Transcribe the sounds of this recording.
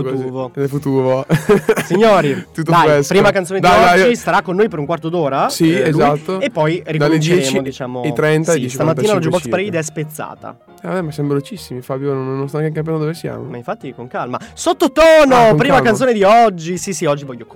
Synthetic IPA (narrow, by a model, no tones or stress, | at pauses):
fuuːvonelfut̪uːvosiɲːoːɾit̪ut̪ːod̪ajɛspɾiːmakanoːned̪ajɔad͡ʒist̪aɾakːonːoːjpeɾuŋkwart̪od̪oːɾasieluzt̪ːoepːɔjrikd̪alleeɛet͡ʃːmiod̪it͡ʃaːmojt̪ɾɛnt̪aɛt͡ʃst̪amat̪inalɔd͡ʒubɔkkspɾejd̪ɛspet̪sːa̰ːt̪a̰ | abɛmasjamvelot͡ʃisːimifabjononnːõst̪aŋkeŋkːampjand̪d̪ovesja̰ːmomaiɱfat̪ːikoŋkalma̰sot̪ːot̪ɔːnopɾimakanoːned̪iɔd͡ʒːisisiɔd͡ʒːivɔʎːok